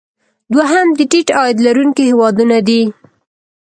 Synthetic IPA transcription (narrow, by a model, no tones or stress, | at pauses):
d̪waɦamd̪əʈiʈɑjɪd̪laɾuŋkihewɑd̪unad̪i